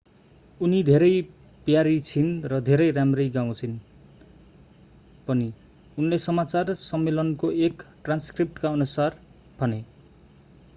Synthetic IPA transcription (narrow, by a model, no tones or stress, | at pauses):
unid̪ʱeɾʌj | pjaɾit͡sʰinrʌd̪ʱeɾʌjramrʌjɡaw̃t͡sʰin | pʌni | unlesʌmat͡sarsʌmːelʌnkoekʈranskrip̚ʈkaʌnusar | bʱʌne